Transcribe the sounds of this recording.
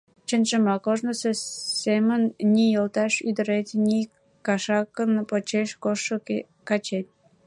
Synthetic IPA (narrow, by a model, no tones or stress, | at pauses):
t͡ɕənʒəmɑkoʒnəsesemənːʲijəlt̪ɑʃyd̪əɾet̪ʲnʲi | kɑʃɑkənpot͡ɕeʃkoʃo | kɑt͡ɕet̪̚ʲ